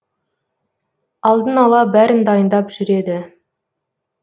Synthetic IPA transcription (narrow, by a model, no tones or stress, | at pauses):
ɑlˠd̪ənɑlˠɑbæɾɪnd̪ɑjənd̪ɑpʒ̥ʏɾe̞d̪ɪ